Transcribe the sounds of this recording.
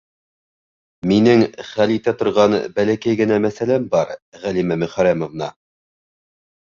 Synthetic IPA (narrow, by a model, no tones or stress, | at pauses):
minɘŋχælit̪æt̪ŏɾʁɑnbælækæjɡɘ̆næmæθælæmbɑɾʁælimæmɵ̆χæɾæmovnɑ̰